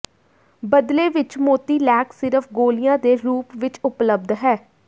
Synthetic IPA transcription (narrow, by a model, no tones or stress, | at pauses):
bəd̪leːʋɪt͡ʃmoːt̪iːlɛːksɪɾəfʰɡoːlɪjãːd̪eːɾuːpʋɪt͡ʃʊpləb̚d̪ɦɛː